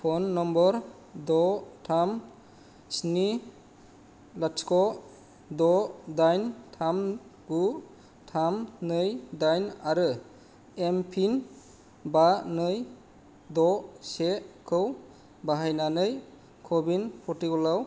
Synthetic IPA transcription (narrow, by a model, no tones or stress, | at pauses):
pʰɔnːɔmbɔɾ | dɔtʰam | sni | lat͡ʃkɔ | d̪ɔdajntʰamɡu | tʰamnɯjdajnaɾɯ | empʰin | banɯj | d̪ɔsekʰɯw | baɦajnanɯj | kʰɔbinpʰɔtiɡɔlaw